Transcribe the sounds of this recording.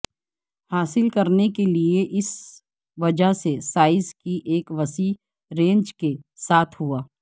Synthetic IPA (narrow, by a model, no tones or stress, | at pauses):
haːsɪlkɐɾnekelieʔɪs | ʋɐd͡ʒaɦsesaːɪzkiʔeːkʋɐsi | ɾẽːɲd͡ʒkesaːt̪ʰɦuaː